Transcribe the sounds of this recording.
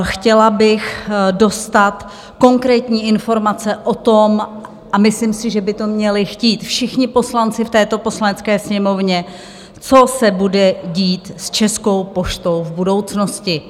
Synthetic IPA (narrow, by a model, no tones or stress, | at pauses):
xcɛlabɪxdo̞st̪at̪ | ko̞ŋkɾɛːt̪ɲiːʔɪnfo̞ɾmat͡sɛʔot̪o̞m | ʔamɪslɪmsɪʒɛbɪt̪o̞mɲɛlɪxciːt̪fʃɪxɲɪpo̞slant͡sɪft̪ɛːt̪o̞po̞slanɛt͡skɛːsɲɛmo̞vɲɛ | t͡so̞sɛbudɛɟiːt̪st͡ʃɛsko̞wpo̞ʃt̪o̞wvbudo̞wt͡sno̞scɪ